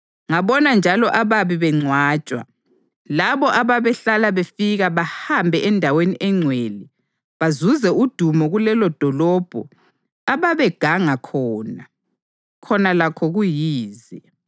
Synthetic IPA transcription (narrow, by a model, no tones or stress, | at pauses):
ŋaβɔnand͡ʒʱalɔʔaβaβiβɛŋ͡ǀʱwaːt͡ʃʼwa̰ | laβɔʔaβaβɛɬalaβefiɣaβahambʱɛʔɛndʱaweniʔɛŋ͡ǀʱweːli | βazuzɛud̥ʱumɔɣulɛlɔd̥ʱɔlɔb̥ʱɔ̰ | aβaβɛɡ̥ʱaŋakʰɔːna | kʰɔnalakʰɔɣujiːzi